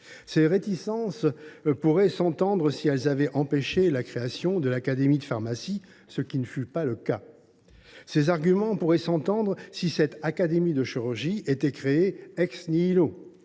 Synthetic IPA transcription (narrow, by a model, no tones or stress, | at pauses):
seʁet̪isɑ̃spuʁɛsɑ̃t̪ɑ̃d̪ʁəsiɛlzavɛʔɑ̃peʃelakχeasjɔ̃d̪əlakad̪emid̪əfaʁmasi | səkʲinəfypaləka | sezaʁɡʲymɑ̃puʁɛsɑ̃t̪ɑ̃d̪ʁəsisɛt̪akad̪emid̪əʃiʁyʁʒiet̪ɛkχeeɛksniːlo